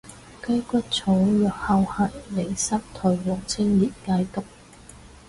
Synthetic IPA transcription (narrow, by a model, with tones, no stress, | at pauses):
kɐ˥jkʷɐ˥t̚t͡sʰo˨˥wjœː˨˩k̚hɐ˧wha˨˩jme˨˩jsɐ˥p̚t̪ʰɔ˨˩ɥwɔː˨˩k̚t͡sʰɪ˥ŋjiː˨t̚kaː˧jt̪ʊ˨k̚